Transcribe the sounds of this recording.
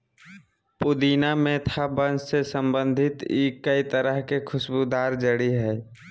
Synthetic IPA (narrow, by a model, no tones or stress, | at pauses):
pʊd̪iːnamẽt̪ʰabənd͡ʒsesə̃mbə̃nd̪ʱɪt̪ikəit̪əɾəɦkekʰʊsbud̪aːɾd͡ʒəɽiɦɛː